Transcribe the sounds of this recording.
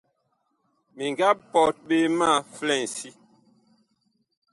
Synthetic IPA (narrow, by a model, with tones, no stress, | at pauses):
mi˨ŋɡa˦p̚pɔ˨t̚ɓe˦ma˦˨flɛ˦˨n̩˨si˦